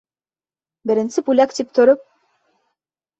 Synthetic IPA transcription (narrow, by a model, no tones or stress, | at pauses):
bɘ̆ɾɘ̆nsɘpulʲækt̪ip̚t̪ŏɾop̚